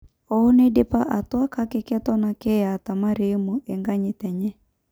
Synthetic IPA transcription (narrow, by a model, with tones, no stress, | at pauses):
ɔo˦ne˦de˦pa˦ʔa˨twa˦ka˦ke˦kɛ˦tɔ˦na˨kɛ˦a˨ta˨ma˦ɾe˦mu˨ʔɛ˨ŋɡa˦ɲɪ˨tɛ˨ɲɛ˦